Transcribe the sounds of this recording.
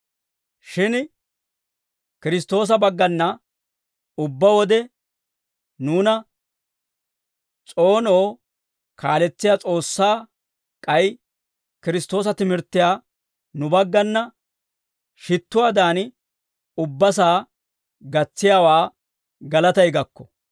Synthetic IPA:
ʃɪn | kɪɾɪs̬t̪o̞ːs̬ɐbɐɡːɐnːɐ | ʊbːɐwɔd̪ɛ | nuːnɐ | t͡sʼo̞ːno̞ː | kʰaːlɛt͡sːɪjaːt͡sʼo̞ːsːaː | kʼɐj | kɪɾɪst̪o̞ːs̬ɐt̪ɪmɪɾt̪ːɪjaː | nʊbɐɡːɐnːɐ | ʃɪt̪ːʊwaːd̪aːn | ʊbːɐs̬aː | ɡɐt͡sːɪjaːwaː | ɡɐlɐt̪ɐjɡɐkːɔ̥

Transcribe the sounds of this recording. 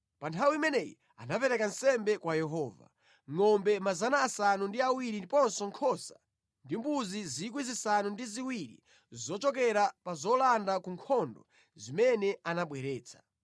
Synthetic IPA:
pantʰawiimɛnɛjḭ | a̰napɛɾɛkansɛmbɛkwajɛɦɔːva̰ | ŋɔmbɛmazanaːsanundiawiɾipɔnsɔŋkʰɔsa | ndimbuzizikwizisanundiziwiɾḭ | zɔt͡ʃɔkɛɾapazɔlandakuŋkʰɔndɔ̰ | zimɛnɛanaɓwɛɾɛːt͡sʰḁ

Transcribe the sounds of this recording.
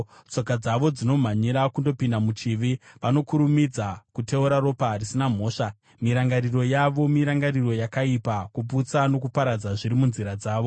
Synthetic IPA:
t͡so̞kad͡zaʋo̞d͡zino̞m̤aɲiɾakundo̞pindamut͡ʃiʋiʋano̞kuɾumid͡zakute̞uɾaɾo̞parisinam̤o̞ːʂa | miɾaŋɡaɾiro̞jaʋo̞miɾaŋɡariro̞jakaipakup̬ut͡sano̞kupaɾad͡zaʐiɾimunziɾad͡zaːʋo̞

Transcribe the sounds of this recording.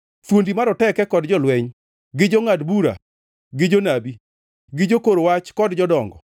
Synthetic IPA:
t̪wondimaɾɔtɛkɛkɔdd͡ʒɔlwɛɲ | ɡɪd͡ʒɔŋadbuɾa̰ | ɡɪd͡ʒonabi | ɡɪd͡ʒokoɾowat͡ʃkɔdd͡ʒɔdɔŋɡɔ̰

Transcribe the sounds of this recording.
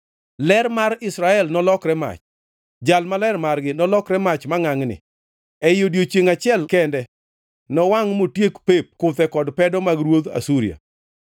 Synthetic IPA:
lɛɾmaɾɪsɾaɛlnɔlɔkɾɛma̰t͡ʃ | d͡ʒalmalɛrmarɡɪnɔlɔkɾɛmat͡ʃmaŋaŋnɪ̰ | ɛjodjot͡ʃjeŋat͡ʃɪɛlkɛndɛ | nɔwaŋmotjekpep̚kʊt̪ɛkɔdpɛdɔmaɡɾwod̪a̰suɾija̰

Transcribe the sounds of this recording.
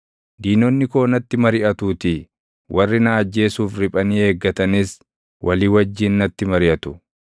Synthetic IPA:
d̪iːnɔnːɪko̞ːnɐt̪ːɪmɐɾɪʔɐt̪uːt̪ɪ | wʔɐrːɪnaːd͡ʒːe̞ːsuːfɾɪpʼɐniːhe̞ːɡːɐt̪ɐnɪs | wʔɐliːwɐd͡ʒːɪnnɐt̪ːɪmɐɾɪʔɐt̪ʊ̥

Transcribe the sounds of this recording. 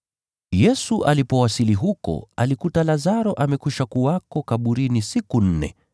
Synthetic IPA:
jɛsuʔalipɔwasiliɦukɔ̰a̰likutalazaɾɔʔamɛkuʃakuakɔkaɓuɾinisikun̩nɛ̰

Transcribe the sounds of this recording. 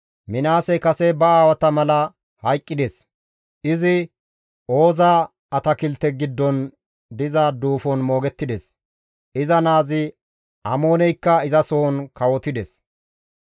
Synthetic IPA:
mɪnaːsɛkɐsɛbɐaːwɐt̪ɐmɐlɐ | hɐjkʼːɪd̪es | ɪzɪ | ʔo̞ːzaː | ɐt̪ɐkɪlt̪ːɛɡɪd̪ːɔn | d̪ɪzɐd̪uːfɔnmo̞ːɡɛt̪ːɪd̪ɛs | ɪzɐnaːzɪ | ʔɐmo̞ːnɛjkːɐɪzɐsoɔnkɐwɔt̪ɪd̪ɛs

